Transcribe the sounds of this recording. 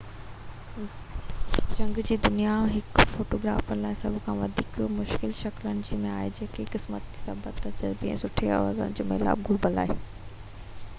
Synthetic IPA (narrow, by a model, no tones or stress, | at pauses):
d͡ʑɐ̃ŋɡd͡ʑiːd̪ʊnijaɦɪkfoːʈoːɡɾa̰ːfənɪlaːɦɪsɐbʱkʰãːʋɐd̪ʱiːkmʊʃkɪlʃɐklənɪ̆d͡ʑiːmẽa̰ːɦed͡ʑeːkekɪsmət̪sɐbət̪ːɐd͡ʑəɾbɪɛ̰̃sʊʈʰeɐ̰ʋaːzə̰nɪd͡ʑoːmḛla̰ːb̚ɡʱʊɾbəla̰ːɦe